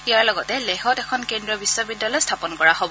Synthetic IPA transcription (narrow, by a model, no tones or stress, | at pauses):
iaɹlɔɡɔtɛlɛɦɔtɛkʰɔnkendɹɔbisːɔbidːalɔjstʰapɔnkɔɹaɦob